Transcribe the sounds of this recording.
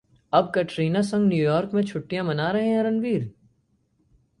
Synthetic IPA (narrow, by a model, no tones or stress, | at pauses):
ɐb̚kɐʈɾiːnasɐ̃ŋɡnjuːjɔːɾkmẽt͡ʃʰʊʈːijãmɐnaːɾɐɦeɦɛ̃ɾɐ̃nʋiːɾ